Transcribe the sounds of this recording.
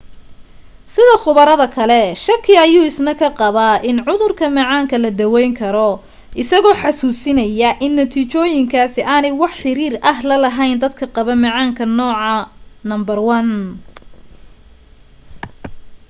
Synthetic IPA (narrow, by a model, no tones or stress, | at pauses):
sɪðɐχʊβɐɾɐðɐkʰɐlɛʃɐrkʰɪɐjuːɪsnɐkʰɐqɑβaːʔɪnʕʊðʊrkʰɐmɐʕaːŋkʰɐlɐd̪ɐwɛjŋkʰɐɾɔ | ʔɪsɐɣɔːħɑsuːsɪnɐjɐʔɪnːɐt̪ʰiːt͡ʃɔːjɪŋkʰaːsɪʔaːnɛjwɑħħɪɾiːɾɐɦlɐlɐɦɐjnd̪ɐd̪̚kʰɐqɑβɐmɐʕaːŋkʰɐnɔːʕɑnɐmbɐrwɐn